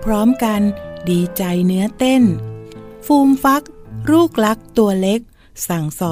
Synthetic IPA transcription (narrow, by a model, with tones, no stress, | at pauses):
pʰɾɔː˦˥mka˧ndiː˧t͡ɕa˧jnɯ˦˥ɐt̪e˥˩n | fuː˧mfa˦˥k̚ɾuː˥˩k̚la˦˥k̚t̪u˧ɐle˦˥k̚ | sa˨˩ŋsɔː˨˩